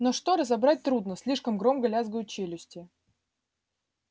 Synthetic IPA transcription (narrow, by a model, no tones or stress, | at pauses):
noʂt̪o̞ɾəzɐbɾat̚ʲt̪ɾud̪nəsʲlʲiʂkəmɡɾo̞mɡəlʲazɡəjʊt͡ɕelʲʊsʲtʲɪ